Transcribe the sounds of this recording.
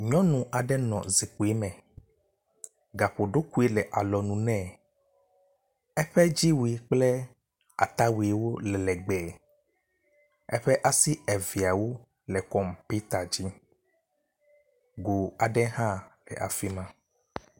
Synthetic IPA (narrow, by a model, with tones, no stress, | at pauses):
ɲɔ̃˦nũ˨ʔa˨ɖɛ˦nɔ̰̃˨zi˨k͡pu˨e˦mɛ̃˨ | ɡa˨ɸo˨ɖo˦ku˦e˦lɛ˨ʔa˨lɔ˨nũ˨nɛ̃˦˨ | ɛ˦ɸɛ˦d͡ʒi˦wu˨i˨k͡plɛ˦ | a̰˨t̪a˦we˨wo˦lɛ˨lɛ˨ɡ͡bɛ˨ | ɛ̰˦ɸɛ˦ʔa˦si˦ɛ˨vi˨a˨wo˦ | lɛ˨kɔ˦m˨pi˦t̪a˨d͡ʑi˦ | ɡo˨a˨ɖɛ˦ɦã˦lɛ̰˨ʔa̰˨fi˦mã˦